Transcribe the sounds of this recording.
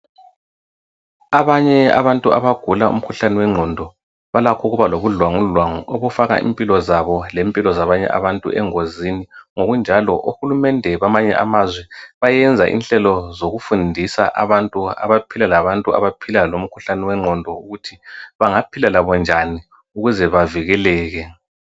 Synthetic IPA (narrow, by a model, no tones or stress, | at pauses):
aβaɲɛa̰βantʼuaβaɡ̥ʱulaʔṵm̩kʰuɬaniwɛŋ͡ǀʱɔndʱɔ | βalakʰɔɣuβaloβuɮwaŋuɮwaŋuoβufaɣa̰ʔḭmpʼilɔzaβɔlempʼilɔzaβaɲɛ̰ʔa̰βantʼṵʔɛŋoziniŋoɣund͡ʒʱalɔ̰ʔuhulumɛndʱɛβamaɲɛ̰ʔa̰mazwɛβajɛnd͡zʱaʔḭnɬɛlɔzoɣufundʱisa̰ʔaβantʼua̰βapʰilalaβantʼua̰βapʰilalom̩kʰuɬaniwɛŋ͡ǀʱɔndʱɔuɣutʰiβaŋapʰilalaβɔnd͡ʒʱani | uɣuzɛβaviɣɛlɛːɣɛ